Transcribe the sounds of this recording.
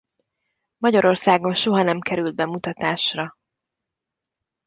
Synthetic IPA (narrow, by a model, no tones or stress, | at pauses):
mɒɟɒɾo̞rsaːɡo̞nʃo̞ɦɒnɛmkɛɾyld̪̚bɛmut̪ɒt̪aːʃrɒ